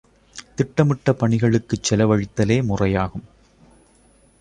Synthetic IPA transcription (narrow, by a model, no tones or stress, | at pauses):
t̪ɪʈːɐmɪʈːɐpɐɳɪɣɐɭɯkːɯt͡ʃːɛlɐʋɐɻɪt̪ːɐleːmʊrɐjaːɣɯm